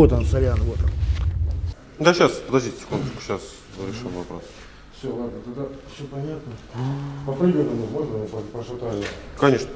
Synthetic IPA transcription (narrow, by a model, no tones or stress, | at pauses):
ot̪amsɐɾʲanvot̪ɐm | d̪aɕaspəd̪ɐzʲdʲitʲsʲɪ̥kund̪ət͡ɕʲkʊ̥ɕas | əɾʲɪʂɨmvɐpɾos | fsʲolˠad̪nət̪ad̪afsʲopɐnʲat̪nəpəpɾʲɪbʲenʲənəmot̪ɾppɾəʂɐt̪anʲəkɐnʲeʂnə